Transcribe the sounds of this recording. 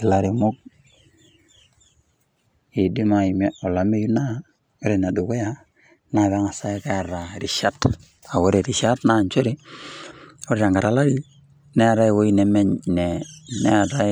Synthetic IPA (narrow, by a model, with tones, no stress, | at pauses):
i˨la˨˦ɾi˨mo˦k̚ | i˨di˦ma˨i˨mɛ˦ɔ˨la˨me˦ju˦na˦ | o˦ɾe˨na˨du˨ko˦ja˦ | na˨βa˦ŋa˨sa˦i˦ka˦a˨ɾa˨ɾi˨ʃa˦t | a˨wo˦ɾe˨ɾi˨ʃa˦tna˦˨nt͡ʃo˦ɾi˦ | o˦ɾi˦ɾa˨ŋɡa˨ɾa˨la˦ɾi˦ | nɛ˦a˨ɾa˦i˨wo˦i˦nɛ˨mɛ˦ɲnɛ˨nɛ˦a˨ta˦